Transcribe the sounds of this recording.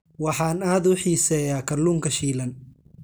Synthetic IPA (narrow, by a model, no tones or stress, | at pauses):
wɑħɑːnaːd̪ʊħiːsɛːjaːkʰɐrluːŋkʰɐʃiːlɐn